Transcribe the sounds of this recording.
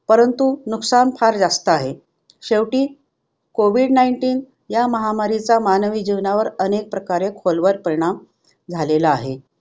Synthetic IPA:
pəɾənt̪unuksanpʰaɾd͡zast̪əaɦe | ɕeʋʈiː | koʋiːɖnaiɳʈiːn | jaməɦamaɾit͡samanəʋiːd͡ʑiʋnaʋəɾənek̚pɾəkaɾekʰolʋəɾpəɾiɳ̃am | d͡zʱalelaːɦe

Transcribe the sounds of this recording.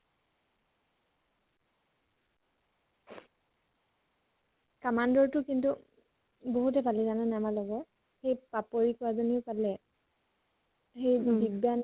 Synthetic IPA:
kamandɔɹtʊkintu | boɦutɛbʱalizananɛamalɔɡɔ | xejpapoɹikɔazoniʊpalɛ | xejbibjan

